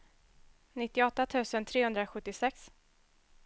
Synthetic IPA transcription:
nɪt̪ːɪɔt̪ːat̪ʰʉ̟ːsənt̪ʰɾeːhɵnd̪ɾaɧɵt̪ːɪsɛks

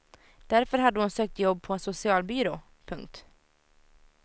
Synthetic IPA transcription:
d̪̥æɾfœɾɦad̪ːəhʊnsøːk̚t̪jɔbːpʰɔɛnsʊsɪɑːlbyɾoː | pʰɵŋk̚t̪

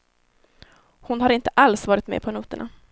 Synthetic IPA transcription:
hʊnhaɾɪnt̪ə̥ʔalsvɑːɾɪt̪mḛːpʰɔnuːt̪əɳʔa̰

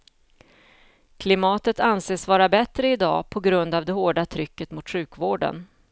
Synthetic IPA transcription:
kʰlɪmɑːt̪ət̪anseːsvɑːɾabɛt̪ɾəɪd̪ɑ̰ːpʰɔɡɾɵnd̪avd̪ɛhoːɖat̪ʰɾʏkːət̪mʊt̪ɧʉ̟ːkvoːɖə̰n

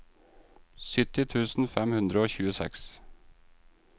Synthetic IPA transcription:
sʏt̪ɪt̪ʰʉːsn̩fɛmhʉnd̪ɾəoːçʉːəsɛ̰ks

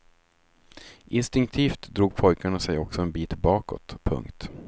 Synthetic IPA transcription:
ʔɪnst̪ɪŋkt̪ʰiːft̪d̪ɾuːɡ̚pʰɔjkʰaɳasɛjɔksɔɛnbiːt̪bɑːkɔ̰t̪pʰːɵ̰ŋkt̪

